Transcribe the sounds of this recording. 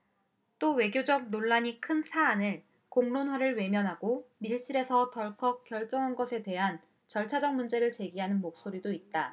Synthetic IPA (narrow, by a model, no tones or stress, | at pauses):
t͈owe̞ɡjod͡ʑʌk̚noɭːaɲikʰɯnsʰaːnɯɭ | koŋnonwaɾɯɭwe̞mjʌnɦaɡomiɭɕ͈iɾe̞sʰʌtʌɭkʰʌk̚k͈jʌɭt͡ɕ͈ʌŋɦanɡʌsʰe̞twe̞ɦan | t͡ɕʌɭt͡ɕʰad͡ʑʌŋmund͡ʑe̞ɾɯɭt͡ɕe̞ɡiɦanɯnmok̚s͈oɾidoit̚t͈a